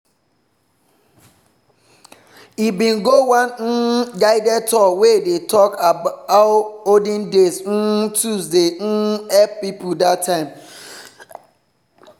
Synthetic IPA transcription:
ibĩnɡowãnn̩ɡaɪdɛtʰɔwedetʰɔkʰabaʊodĩndesn̩tusden̩ɛppipudatʰːãɪ̃m

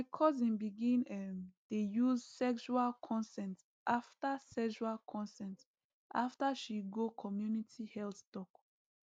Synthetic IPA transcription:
maɪkʰɔzĩnbiɡĩnɛmdejuzsɛkʃualkʰɔ̃nsɛ̃nt | ʔaftasɛkʃualkʰɔ̃nsɛ̃nt | ʔa̰ftaʃiɡokʰɔmjunitʰihɛlttɔk

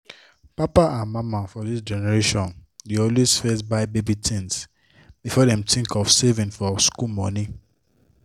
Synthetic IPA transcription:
papaʔãnmãmafɔðisd͡ʒɛnɛɹeʃɔ̃ndeɔlwesfɛsbaɪbebitʰĩns | b̥ifɔdɛ̃mtĩŋkʰɔfsɛvĩnfɔskumɔ̃ni

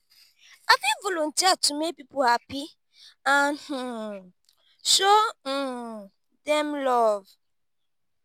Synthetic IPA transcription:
afɪvʊlon̩tiatʊmepipoapi | anhu | ʃo | dɛmlɔv

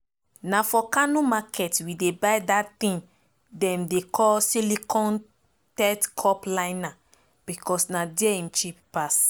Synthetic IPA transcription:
nafɔkanumakʰɛtwidebajdat̪ĩn | dɛ̃mdekʰɔlsilikʰɔ̃n | tɛtkʰɔplãɪna | b̥ikɔsnadɛĩmt͡ʃippas

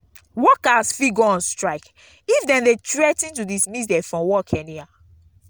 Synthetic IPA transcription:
wɔkasfiɡɔɔ̃nstɹaɪk | ifdɛ̃ndetɹɛtĩntudismisdɛfɹɔ̃mwɔkʰɛ̃nia

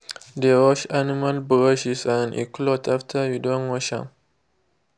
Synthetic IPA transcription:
dewɔʃanimalbɹaʃisãnḭklotʰaftʰəjudɔ̃nwɔʃã̰m

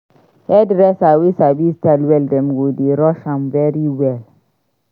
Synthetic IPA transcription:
hɛdɾɛsawisabistɛlwɛldɛmɡodeɾɔʃãmvɛɹiwɛl

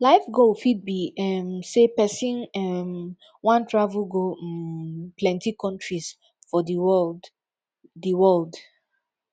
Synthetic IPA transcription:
laɪfɡofid̚biɛmsepɛsĩnɛm | wãntʰɹavulɡo | plɛ̃ntikɔ̃ntɹis | fɔdiwɛld | dəwɛld

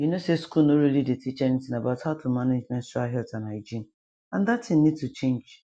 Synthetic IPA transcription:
junoseskulnoɾilidetʰit͡ʃɛnitɪ̃ŋabaʊthaʊtʰumaned͡ʒmɛ̃ntstaɦɛltãnaɪd͡ʒin | ãndatʰɪ̃nnid̚tut͡ʃẽnd͡ʒ

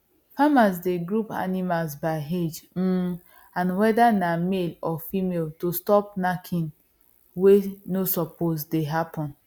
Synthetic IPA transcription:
famasdeɡɹupa̰nimalsbaɪɦed͡ʒ̩ | ãnwɛdanamelɔfimeltostɔp̚nakʰĩn | wenosɔpʰosdeɦapɔ̃n

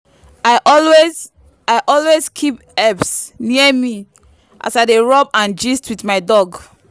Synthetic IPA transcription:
aɪʔɔlwez | aɪʔɔlwezkʰip | ɛpsniəmi | ʔa̰saɪdeɹɔbãnd͡ʒistwitmaɪdɔɡ

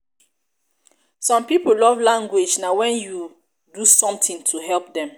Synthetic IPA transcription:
sɔ̃mpipolɔvlãŋɡwed͡ʒnawɛ̃nju | dusɔ̃mtĩŋtʰuɦɛlp̚dɛ̃m

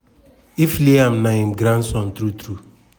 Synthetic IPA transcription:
ifliamnaĩmɡɾãnsɔ̃ntɾutɾu

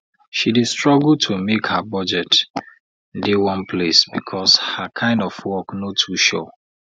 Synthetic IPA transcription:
ʃidestɹɔɡl̩tʰumekhabɔd͡ʒɛt | dewɔ̃npʰlesbikʰɔshakʰãɪ̃ndɔfwɔknotʰuʃɔ̰

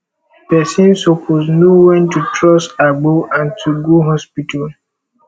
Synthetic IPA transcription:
pɛsĩnsopʰosnowɛ̃ntutʰɹɔsaɡ͡boʔãntʰuɡoɦɔspitʰal

